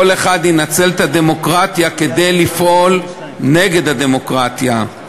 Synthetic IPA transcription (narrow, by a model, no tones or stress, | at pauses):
ole̞χad̪inat͡se̞lt̪ad̪e̞mo̞kʁat̪jake̞d̪e̞jlifʔo̞l | ne̞ɡe̞d̪had̪e̞mo̞kʁat̪ja